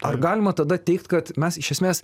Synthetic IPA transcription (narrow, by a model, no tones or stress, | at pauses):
ɐrɡɑːlʲɪmɐt̪ɐd̪ɐt̪ʲɛɪkt̪kɐt̪mʲɛsɪʃʲɛsʲmʲeːs